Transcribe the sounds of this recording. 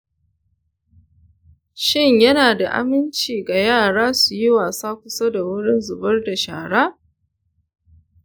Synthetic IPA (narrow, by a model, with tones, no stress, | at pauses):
ʃɪ˦˨ɲjɐ˦naː˨da˨ʔa̰˦mɪ˦nt͡ʃiː˨ɡa˨jaː˦˨ɽaː˦su˨ji˦waː˨saː˦kʷʊ˦sa˦da˨wʊ˦ɽɪ˦nzʊ˨bɐ˦rda˨ʃa̰ː˨ɽaː˦